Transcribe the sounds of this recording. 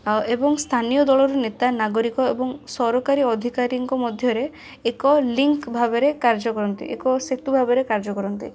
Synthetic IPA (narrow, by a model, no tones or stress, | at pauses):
aebɔŋst̪ʰanijɔd̪ɔɭɔɾunet̪anaɡɔɾikɔebɔŋsɔɾɔkaɾiɔd̪ʱikaɾiŋkɔmɔd̪ʱjɔɾeː | kɔliŋkbʱabeɾekaɾd͡ʒɔkɔɾɔnt̪ḭʔḛkɔset̪ubʱabeɾekaɾd͡ʒɔkɔɾɔnt̪ḭ